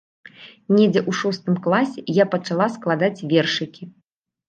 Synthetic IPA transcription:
nʲɛd͡zʲɛʔuʂɔst̪ɨmklˠasʲɛjapɐt͡ʂalˠasklˠad̪at͡sʲvʲɛrʂɨkʲi

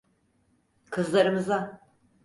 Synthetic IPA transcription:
kʰɯzlˠaɾɯmɯza

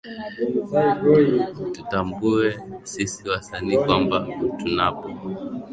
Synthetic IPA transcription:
tutambuɛsisiwasaniːkwambatunapɔ

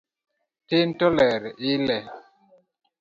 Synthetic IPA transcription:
tentɔlɛɾilɛ

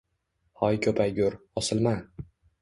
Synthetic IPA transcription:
hɒjkʲʰɵpʰajɡʲʊɾɒsɪlˠma

